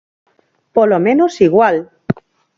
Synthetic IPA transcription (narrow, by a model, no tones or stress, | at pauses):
polomẽnosiɣwal